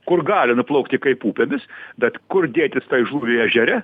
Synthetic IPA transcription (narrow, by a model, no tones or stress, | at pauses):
kʊrɡɑːlʲɪnʊplˠɐʊkt̪ʲɪkɐɪpuːpʲemʲɪsbʲɛt̪kʊrd̪ʲeːt̪ʲɪst̪ɐɪʒuːɾʲɪɛʒʲɛɾʲɛ